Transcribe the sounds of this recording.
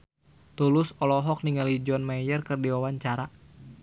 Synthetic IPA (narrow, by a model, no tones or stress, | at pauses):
t̪ulʊsɔlɔɦɔk̚niŋalid͡ʒɔnmajərkɨrdiwawaɲt͡ʃaɾa